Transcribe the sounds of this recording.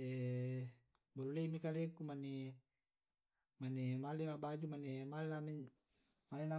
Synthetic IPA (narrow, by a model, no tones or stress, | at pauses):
e | boluleimikalekumane | manemalimaʔbad͡ʒumanemalenami | malina